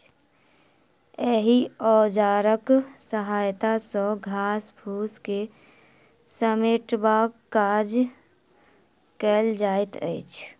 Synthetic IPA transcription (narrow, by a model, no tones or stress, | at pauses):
ɛːɦiɔːd͡ʒaːɾəksəɦaːjt̪asɔɡʱaːsbʱuːske | səmeːʈbaːkkːaːd͡ʒ | kəːld͡ʒaːɪt̪ə̰ɪt͡ʃʰ